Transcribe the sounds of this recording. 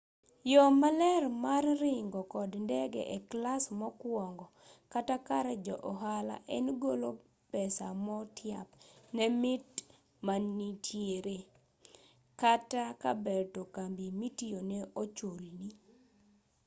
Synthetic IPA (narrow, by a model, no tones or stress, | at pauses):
jɔmalɛrmarrɪŋɡɔkɔdndɛɡɛ̰ʔɛklasmɔkwɔŋɡɔ | katakaɾɛd͡ʒɔʔɔɦala̰ʔɛnɡolo | pɛsamɔtʰjapnɛmɪt | manːitʰjeɾe | kataka̰bɛtokambimitijoneot͡ʃolni